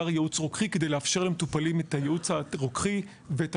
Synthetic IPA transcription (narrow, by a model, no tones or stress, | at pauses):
aʁjeut͡sʁokχikedejleafʃe̞ʁlemetupalimetajeut͡shaʁokχi | veet